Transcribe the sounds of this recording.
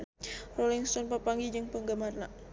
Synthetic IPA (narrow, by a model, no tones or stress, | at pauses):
roliŋst̪ɔnpəpaŋɡid͡ʒəŋpəŋɡəmarna